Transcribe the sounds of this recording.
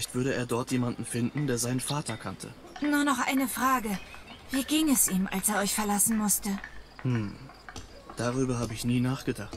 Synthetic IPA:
çtv̥ʏɐɾəḛːɐdɔɐtjeːmandn̩fɪndn̩deːɐzaɪnənfaːtʰɐkʰantʰə̰ | nuːɐnɔχʔa̰ɪnəfʁ̥aːɡəviːɡiŋɛsʔiːmʔa̰lseːɐɔʏçfɛɐlasn̩mʊstəhm̩ | d̥aʁ̞yːbɐɦaːbəɪçniːnaːχɡ̥ədaχt

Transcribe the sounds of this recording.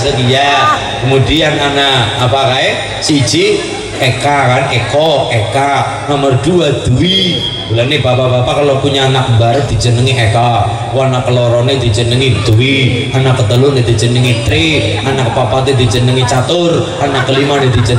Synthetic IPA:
səkija | kəmudiananaːpakae | si̥d͡ʒ̥i | ekakanekɔeka | nɔmərd̪̥uad̪̥uwi | b̥ulanːeb̥apabapakalokuɲaːnak̚mbaɾət̪̚d̪i̤d͡ʒ̥ənəŋiʔeka | wanakəlɔɾɔned̪̥i̤̥d͡ʒənəŋid̪̥uwianakːət̪əlʊned̪id͡ʒənəŋit̪ɾi | anakpapat̪ed̪id͡ʒənəŋit͡ʃat̪ʊr | anakːəlimaned̪i̤d͡ʒə

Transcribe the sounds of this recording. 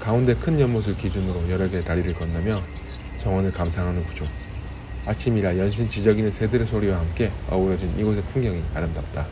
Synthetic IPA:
kaunde̞kʰɯnjʌnmos̬ʰɯɭkid͡ʑunɯɾojʌɾʌɡetaɾiɾɯɭk͈ʌnːamjʌ | t͡ɕʌŋwʌnɯɭkamsʰaŋɦanɯnkud͡ʑoŋ | at͡ɕʰimiɾajʌnɕ̬ʰint͡ɕid͡ʑʌɡinɯnsʰe̞dɯɾɯsʰoɾiwahamk͈e̞ʌ̰uɾʌd͡ʑiniɡos̬ʰetʰɯŋɡjʌŋia̰ɾɯmdap̚t͈a

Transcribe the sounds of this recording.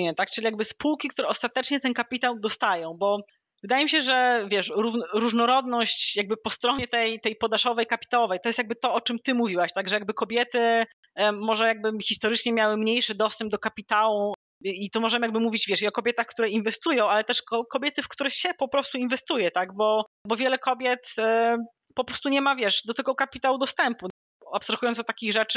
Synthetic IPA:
ɲɛt̪ak̚t͡ʂɨlʲijaɡ̚bɘspuwkʲik̚t̪uɾɛɔst̪at̪ɛt͡ʂɲɛt̪ɛnkapʲit̪awd̪ɔst̪ajɔ̃w̃bɔ | vɘd̪ajɛmiɕɛʐɛvʲjɛʂɾuɾuʐnɔɾɔd̪nɔɕt͡ɕjaɡ̚bɘpɔst̪ɾɔɲɛt̪ɛjt̪ɛjpɔd̪aʂɔvɛjkapʲi̥t̪awɔvɛjt̪ɔjst̪jaɡ̚bɘt̪ɔɔt͡ʂɨmt̪ɘmuvʲiwaɕt̪aɡʐɛjaɡ̚bɘkɔbʲjɛt̪ɘ | mɔʐɛjaɡ̚bɘxʲist̪ɔɾɘt͡ʂɲɛmʲjawɘmɲejʂɘd̪ɔst̪ɛmb̚d̪ɔkapʲit̪awu | it̪umɔʐɛmjaɡbɘmuvʲid͡ʑvʲɛʂiɔkɔbʲjɛt̪axkt̪uɾɛinvɛst̪ujɔ̃w̃alɛt̪ɛʂkɔkɔbʲjɛt̪ɘfkt̪uɾɛxɕɛpɔpɾɔst̪uinvɛst̪ujɛt̪aɡbɔbɔvʲjɛlɛkɔbʲjɛt̪ | pɔpɾɔst̪uɲɛmavʲjɛʂd̪ɔt̪ɛɡɔkapʲit̪awud̪ɔst̪ɛmpu | apst̪ɾaxujɔnt̪ɔt̪akʲiɣʐɛt͡ʂ

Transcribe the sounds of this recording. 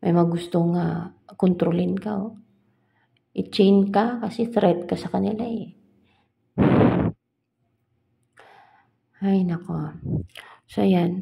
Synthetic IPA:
mʔɐ̰jmɐɐɡʊst̪oŋakont̪ɾolɪnkao | ʔɪt͡ʃɛjnkakɐsɛθɾɛt̪̚kɐsɐkɐnɪlaɛ | hajnɐko | sojan

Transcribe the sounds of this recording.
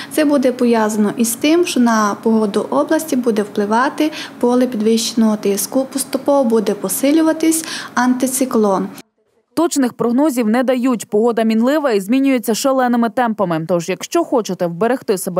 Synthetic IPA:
t̪sɛbud̪ɛpɔʋjɑzɐnɔʔist̪ɪmʃt͡ʃɔnɐpɔɦɔd̪ʊʔɔblˠɐsʲtʲibud̪ɛwplˠɪʋɑt̪ɪpɔlˠɪpʲid̪ʋɪʃt͡ʃenɔɦɔt̪ɪskʊpɔst̪ʊpɔʋɔbud̪ɛpɔsɪlʲʊʋɐt̪ɪsʲɐnt̪ɪt̪sɪklˠɔn | t̪ɔt͡ʃnɪxpɾɔɦnɔzʲiwnɛd̪ɐjutʲpɔɦɔd̪ɐmʲinlˠɪʋɐizʲmʲinʲʊjet͡sʲːɐʃelˠɛnɪmɪt̪ɛmpɐmɪt̪ɔʒjɐkʃt͡ʃɔxɔt͡ʃet̪ɛwbeɾext̪ɪsebɛ

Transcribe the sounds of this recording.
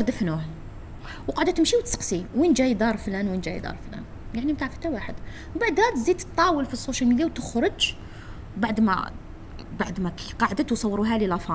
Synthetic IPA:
ɾd̪əfnuh | wqɑʕd̪æt̪əmʃiwt̪sə̥qsiwind͡ʒæjd̪ɑɾˤflænwind͡ʒæ̰jd̪ɑ̰ɾˤflæ̰n | jaʕnimt̪aʕfə̥t̪ːæwaħəd̪ | baʕd̪hæd̪zit̪t̪ˤːɑwəlfisˤːoʃælmid̪jawt̪əxɾˤəd͡ʒ | baʕd̪mæ̰ | baʕd̪mæqɑʕd̪ət̪wsˤɑwːɾˤuɦælilæfɑ

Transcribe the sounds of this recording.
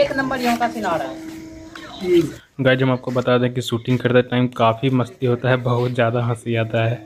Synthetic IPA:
eːknɐ̃mbəɾjɐɦãkasɪnaːɾaɦɛ | ɡaːɪd͡ʒɦɐmaːp̚kobɐt̪aːd̪ẽɦɛ̃kisuːʈɪ̃ŋɡkɐɾt̪eɦɛʈaːɪmkaːfimɐst̪iɦoːt̪aɦɛbɐɦʊt̪zjaːd̪aɦãsiaːt̪aɦɛː

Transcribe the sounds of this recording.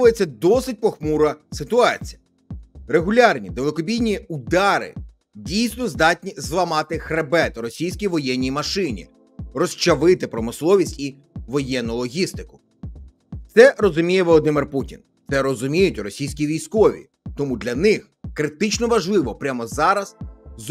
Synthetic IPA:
ʊjet͡sʲːɐd̪ɔsɪt̚ʲpɔxmuɾɐsɪt̪ʊɑt͡sʲijɐ | reɦʊlʲɑrnʲid̪elˠekɔbʲijnʲiud̪ɑɾɪ̰ | dʲijsnɔzd̪ɑtʲnʲizlˠɐmɑt̪ɪxɾebɛt̪ɾɔsʲijsʲkʲijʋɔjɛnʲːijmɐʃɪnʲḭ | rɔst͡ʃɐʋɪt̪ɪpɾɔmɪslˠɔʋʲisʲtʲi | ʋɔjɛnːʊlˠɔɦʲist̪ɪkʊ̥ | t̪sɛɾɔzʊmʲijɛʋɔlˠɔd̪ɪmɪrputʲḭnt̪sɛɾɔzʊmʲijʊtʲɾɔsʲijsʲkʲijʋʲijsʲkɔʋʲḭ | t̪ɔmud̪lʲɐnɪx | kɾɪt̪ɪt͡ʃnɔʋɐʒlˠɪʋɔpɾʲamɔzɑɾɐsz

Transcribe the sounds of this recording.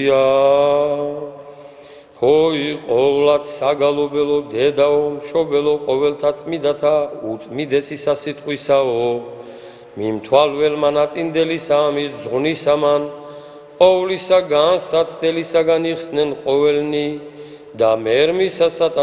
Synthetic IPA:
a | hɔiqʼɔvlat̪ʰsaɡalɔbɛlɔd̪ɛd̪aɔmʃɔbɛlɔqʼɔvɛlt̪ʰat̪sʼmid̪at̪ʰaut̪sʼmid̪ɛsisasit̪ʼqʼwisaɔ | mimt̪ʰwalvɛlmanat̪sʼind̪ɛlisaːmisd̪zʁnisaman | qʼɔvlisaɡansat̪sʰd̪ɛlisaɡaniχsnɛnqʼɔvɛlni | d̪amɛɾmisasat̪ʰʼa

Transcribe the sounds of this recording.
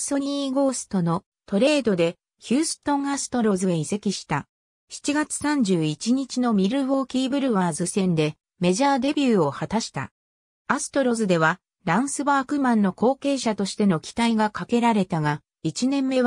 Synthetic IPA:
so̞ɲ̟iːɡo̞ːsɨ̥t̪o̞no̞ | t̪o̞ɾe̞ːd̪o̞d̪e̞ | çɨːsɨ̥t̪õ̞ŋasɨ̥t̪o̞ɾo̞zɨeise̞kʲiɕi̥t̪a | çi̥t͡ɕiɡat͡sɨ̥sãɲ̟d͡ʑɨːit͡ɕiɲ̟it͡ɕino̞mʲiɾɯ̟βo̞ːkʲiːbɯ̟ɾɯ̟βaːzɨsẽ̞nd̪e̞ | me̞ʑaːd̪e̞bʲjɯːo̞hat̪aɕi̥t̪a̰ | asɨ̥t̪o̞ɾo̞zɨd̪e̞β̞a | ɾãɰ̃sɨbaːkɯ̟mãnːo̞ko̞ːke̞ːɕat̪o̞ɕi̥t̪e̞no̞kʲi̥t̪aiɡakake̞ɾaɾe̞t̪aɡa | it͡ɕinẽ̞mːe̞β

